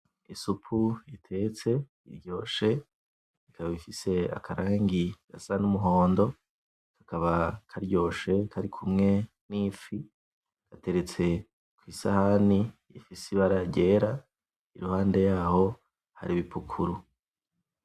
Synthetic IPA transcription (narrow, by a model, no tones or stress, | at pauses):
isupʰujitʰe̞t͡se̞ | ḭɾjo̞ːʃe̞ | ikʰaβaβifise̞a̰kʰaɾaːŋɡiɡ̥a̰sanumuɦo̞ːndo̞ | kʰḁkaβakʰaɾɟo̞ːʃe̞kʰaɾikʰumŋe̞ | niːfi | kate̞ɾe̞t͡se̞ | kwiːsahanijḭfisiβaɾaɟe̞ːɾa | iɾuhaːnde̞jaːho̞ | ha̰ɾiβipʰukʰuɾu